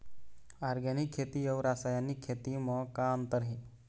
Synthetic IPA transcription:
aɾɡanikʰːet̪iːjəʋɾasajanikʰːet̪iːməkamt̪əɾɦi

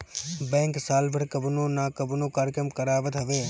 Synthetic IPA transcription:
bɛ̃ːŋksaːlbʱəɾkəbnõːnaːkəbnõːkaːɾkɾəmkəɾaːʋət̪ɦɐʋeː

